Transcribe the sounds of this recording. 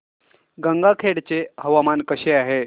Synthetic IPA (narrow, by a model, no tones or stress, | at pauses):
ɡəŋɡakʰeɽt͡seɦəʋamankəɕeaɦe